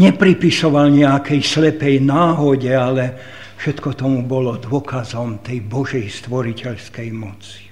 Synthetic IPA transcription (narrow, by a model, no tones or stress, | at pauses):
ɲɛpɾipisɔʋalɲɛakɛjslɛpɛjnaːɦɔɟɛalɛ | fʃɛt̪kɔt̪ɔmubɔlɔd̪ʊɔkʰazɔmt̪ɛjbɔʒɛjst̪ʋɔɾicɛʎskɛjmɔt͡si̥